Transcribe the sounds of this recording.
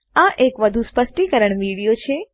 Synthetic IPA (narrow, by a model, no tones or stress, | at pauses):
ãʔekʋəd̪ʱuspəsʈikəɾəɳʋiɽijot͡ʃʰe